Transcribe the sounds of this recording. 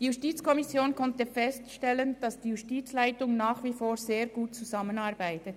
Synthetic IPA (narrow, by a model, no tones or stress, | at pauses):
diːjustiːt͡skɔmisjoːnkʰɔntəfɛstʃtɛlənd̥ɑsd̥iːjustiːt͡slaɪtʊŋnaːχvifoːɾzeːɾɡuːt̚t͡suzamənaʁbaɪtət